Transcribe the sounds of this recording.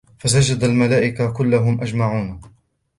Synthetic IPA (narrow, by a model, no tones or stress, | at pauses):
fas̬ad͡ʒad̪almalaːʔɪkakʊlːaɦʊmʔad͡ʒmaʕuːn